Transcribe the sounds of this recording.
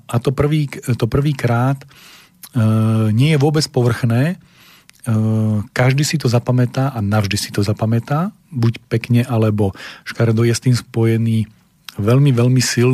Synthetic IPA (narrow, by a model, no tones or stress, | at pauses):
at̪ɔpr̩ʋiːt̪ɔpr̩ʋiːkɾaːt̪ | ɲɪɛjɛʋʊɔbɛt͡spɔʋr̩xnɛː | kaʒd̪isit̪ɔzapamɛt̪aːʔanavʒd̪isi̥t̪ɔzapamɛt̪aː | bucpɛkɲɛʔalɛbɔʃkaɾd̪ɔjɛst̪iːmspɔjɛniː | ʋɛʎmiʋɛʎmisil